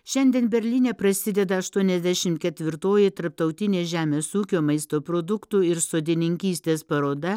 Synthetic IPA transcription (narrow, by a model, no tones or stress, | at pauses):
ʃʲɛnʲd̪ʲieːnbʲɛɾʲlʲɪnʲeːpɾɐsʲɪd̪ʲɛd̪ɐɐʃt̪uɔnʲɛzʲd̪ʲæʃʲɪmkʲɛt̪ʲʋʲɪɾt̪oːjɪt̪ɐɾp̚t̪ɐʊt̪ʲɪnʲeːʒʲæːmʲeːsuːkʲoːmɐɪst̪oːpɾoːd̪ʊkt̪uːɪɾsoːd̪ʲɪnʲɪŋʲkʲiːsʲt̪ʲeːspɐɾoːd̪ɐ